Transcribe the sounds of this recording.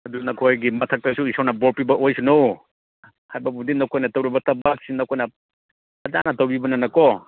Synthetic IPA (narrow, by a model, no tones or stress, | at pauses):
ɐdunɐkʰojɡimɐtʰɐk̚tɐsuisawnɐboɾpibɐʔojsunow | hajbɐbudinɐwkʰojnɐtɐwɾibɐtɐbak̚sinɐwkʰojnɐ | ɐda̰nɐtɐwbibɐnɐnɐkɔ